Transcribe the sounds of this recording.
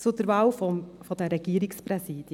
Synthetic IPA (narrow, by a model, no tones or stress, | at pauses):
t͡sud̥̪əɾvɑːwfɔfɔd̥̪ɛɾɛɡ̥iːɾɪkspɾɛsiːd̥̪